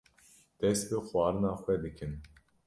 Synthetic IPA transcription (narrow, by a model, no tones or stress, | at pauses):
d̪̥ɛst̪̚bɨxwɑːɾɨnɑːxʷwɛd̪ɨkʰɨn